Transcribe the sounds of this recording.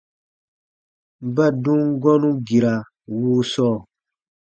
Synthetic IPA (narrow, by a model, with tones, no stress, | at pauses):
ba˦dũ˦ŋɡɔ˦nũ˦ɡi˨ɾa˨ | wuː˦sɔː˦˨